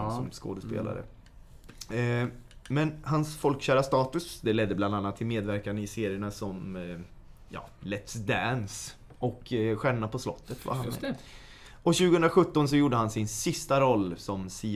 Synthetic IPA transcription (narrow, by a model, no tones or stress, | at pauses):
ɔmsko̰ːd̪əspḛːla̰ɾə̰ | mɛnhansfɔlkɕæːɾast̪ɑːt̪ɵsd̪ɛlɛd̪ːəbland̪anːat̪ʰːɪlmeːd̪væɾkanɪseːɾɪəɳasɔm | jɑ̰ːlɛt̪sd̪æns | ʔɔkɧɛɳːapʰɔslɔ̰t̪ːət̪va̰han | ɔɕʉ̟ːɡəhɵnd̪ɾaɧɵt̪ːɔns̬ɔjuːɖːəɦansɪnsɪst̪aɾɔlːsɔmsiː